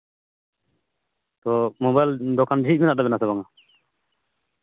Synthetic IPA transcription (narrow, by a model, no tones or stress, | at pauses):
t̪ɔmɔbajld̪ɔkʰand͡ʒʱit̪̚minaʔdabɛnasabaŋa